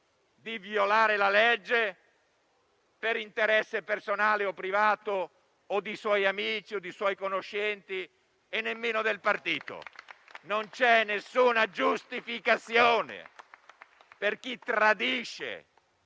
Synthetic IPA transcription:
d̪ivjolaːɾelaled͡ʒːe | peɾint̪eɾɛsːepersonaːleopːɾivaːt̪oː | d̪iswɔjamiːt͡ʃiod̪iswɔjkonoʃːɛnt̪i | enːemːeːnod̪elpart̪iːt̪o̰nont͡ʃɛnːesːuːnad͡ʒust̪ifikat̪sːjoːnḛ | perk̟it̪ɾad̪iːʃḛ

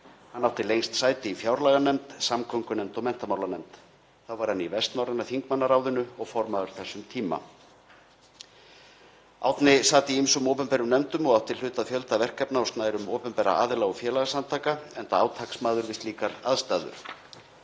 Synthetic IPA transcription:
hanːawt̪ɪlejŋst̪saːjt̪ɪifjawɾlaɣanɛmt̪samkʰœŋkʏnɛmt̪ɔwmɛn̥t̪amawlanɛmt̪ | θawvaɾ̥hanːivɛst̪nawɾɪnaθiŋkmanːaɾaːwðʏnʏɔɣfɔɾmaðʏɾ̥θɛsːʏmt̪ʰiːma̰ | a̰wt̪nɪsaːt̪iimsʏmowpʏmpɛːɾʏmnɛmt̪ʏmɔɣawht̪ɪl̥ʏːt̪aðfjœlt̪avɛr̥kɛpnawst̪naɪɾʏmoːpʏmpɛːɾa̰a̰ːðɪlaɣʏfjɛːlaɣasant̪ʰaːkaɛnt̪aaːwt̪ʰaksmaːðʏɾvɪst̪liːkaɾaðst̪aːðʏ̰ɾ̥

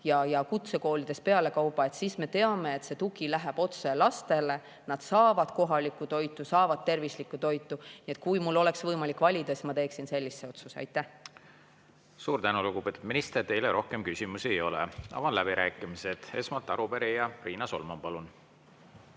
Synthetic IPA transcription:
jɑjɑkut̪se̞ko̞ːlid̪̥e̞spe̞ɑle̞kɑwpːˑɑet̪siːsme̞t̪e̞ɑme̞ːt̪se̞t̪uɡilæɦæb̥o̞t̪se̞lɑst̪e̞le̞ | nɑd̪̥sɑːvɑd̪̥ko̞ɦɑlikːˑut̪o̞jt̪ːˑusɑːvɑd̪̥̚t̪e̞rvislikːˑut̪o̞jt̪ːˑunie̞t̪̚kujmulːo̞le̞ksvɤjmɑlikːˑvɑlʲid̪̥ɑsi̥smɑt̪e̞ːksinse̞lʲːisːe̞o̞t̪suseɑ̰jt̪ːˑæh | suːɾt̪ænuluɡub̥e̞t̪ud̪minist̪ert̪e̞jleɾo̞hkemkysʲimusiejo̞lɛ̰ɑ̰vɑnlæbiɾʔæ̰ːkˑimised̪̥e̞smɑlt̪ːɑɾubeɾijɑriːnɑso̞̰lmɑmpɑlun

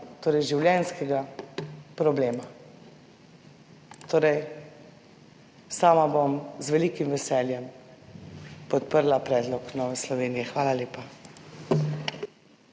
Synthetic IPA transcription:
t̪oːɾɛjʒiwljɛnskɛɡa | pɾɔbleːma | t̪oːɾɛj | saːmabomzʋɛliːkimʋɛsɛːljɛm | pɔt̪̚pəɾlapɾɛːd̪lɔknɔːʋɛslɔʋeːnijɛxʋaːlaleːpa

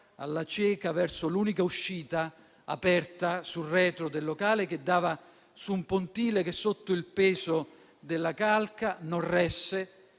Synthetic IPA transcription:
a̰lːat͡ʃɛːkavɛrsoluːnikauʃːiːt̪a | a̰pɛrt̪asurɛːt̪ɾod̪elːokaːlek̟ed̪ːaːva | sumpont̪iːlekesːot̪ːʊilpɛːzo | d̪elːakalkanorɛsːe

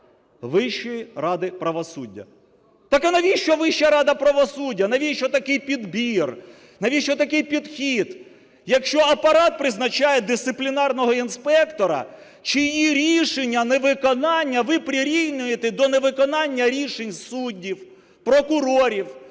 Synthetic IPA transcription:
ʋɪʃt͡ʃːɔjirɑd̪ɪpɾɐʋɔsudʲːɐ̰ | t̪ɑkɪnɐʋʲiʃt͡ʃɔʋɪʃːɐɾɑd̪ɐpɾɐʋɔsudʲːɐnɐʋʲiʃt͡ʃɔt̪ɐkɪjpʲid̪bʲir | nɐʋʲiʃt͡ʃɔt̪ɐkɪjpʲid̪xʲid̪ | jɐkʃt͡ʃɔɐpɐɾɑt̪̚pɾɪznɐt͡ʃɑjɛd̪ɪst̪ɪplʲinɑrnɔɦɔinspɛkt̪ɔɾɐ̰ | t͡ʃijiɾʲiʃenʲːɐneʋɪkɔnɑnʲːɐʋɪpɾʲɪɾʲiwnʲʊjet̪ɛd̪ɔneʋɪkɔnɑnʲːɐɾʲiʃenʲsudʲːiw | pɾɔkʊɾɔɾʲiw

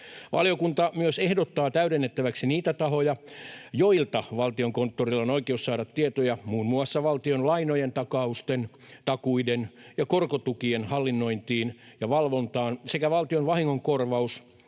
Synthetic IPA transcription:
ʋɑ̰lijokunt̪ɑmyøsehdot̪ːɑːt̪æyɾenːet̪ːæʋæksiniːt̪æt̪ɑhojɑjoilt̪ɑʋɑlt̪ioŋkont̪ːorilːonoikeussɑːɾɑt̪t̪iet̪ojɑmuːnmuɑsːɑʋɑlt̪ionlɑinojent̪ɑkɑust̪en | t̪ɑkuidenjɑkorkot̪ukienhɑlːinːoint̪iːnjɑʋɑlʋont̪ɑːnsekæʋɑlt̪ionʋɑhiŋːoŋkorʋɑus

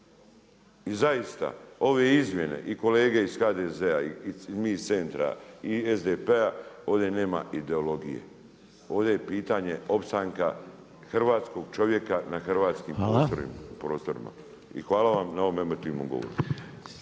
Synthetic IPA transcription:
izaist̪a̰o̞ʋe̞izmje̞ne̞̰ʔiko̞leːɡe̞isxaːd̪ezeaizmist̪se̞nt̪ɾa̰iezd̪epeao̞ːʋd̪e̞ne̞ːma̰id̪e̞o̞lo̞ɡijḛ | o̞ːʋd̪ejepiːt̪aɲe̞o̞pst̪aŋka̰ | xr̩ʋaːt̪sko̞ɡt͡ʃo̞ʋje̞kanaxrʋaːt̪skimoːoɾḭpɾo̞ːst̪o̞ɾḭma̰ | ḭxʋaːlˠaʋamnao̞ʋomemo̞t̪iːʋnomɡo̞̰ʋo̰ɾi

